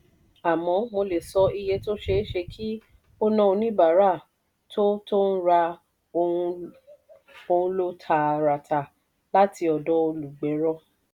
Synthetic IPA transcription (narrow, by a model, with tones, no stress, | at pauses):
a˨mɔ̃˧mo˧le˨sɔ˧˦i˧je˧to˦ʃe˧˦ʃe˧kʰi˦ | o˦nã˦o˧nĩ˦ba˨˦ɾa˦˨ | tʰo˦to˦n̩˦ɾa˧ | o˧ũ˧ | o˧ũ˦lo˦tʰa˧˨ɾa˨ta˨ | la˦ti˧ɔ˧dɔ˦o˧lu˨ɡ͡bɛ˨˦ɾɔ˦